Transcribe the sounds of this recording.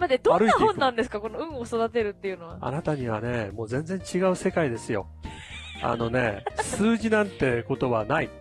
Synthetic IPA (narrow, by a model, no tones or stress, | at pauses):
mad̪ed̪o̞anɾɯiahõ̞nːãnd̪e̞s̬ɨ̥kako̞noɯ̟̃ɰ̃oso̞d̪at̪e̞ɾɯ̟t̪ːe̞jɯ̟no̞βa̰a̰nat̪aɲ̟iβane̞mo̞ːzẽ̞nd͡zẽ̞ɲ̟t͡ɕiɡaɯ̟se̞kaid̪e̞sɨjo̞̰ | a̰no̞ne̞sɨːʑinãnt̪e̞ko̞t̪o̞βanai